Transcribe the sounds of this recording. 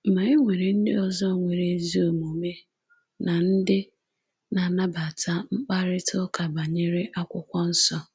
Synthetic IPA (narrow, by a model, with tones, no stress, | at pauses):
m̩˨ma˨e˦ŋʷe˨ɾe˨n̩˦dɪ̰˦ɔ˨zɔ˦˨ŋʷe˨ɾe˨˦zi˦o˨mo˨me˦ | na˨n̩˦dɪ˦ | na˨na˦ba˨tʰa˦ŋ͡m̩˦k͡pa˦ɾɪ˦tʰɔ˦ka˨ba˨ɲe˦ɾe˦ʔa˦kʷʊ˦kʷɔ˦n̩˦sɔ˦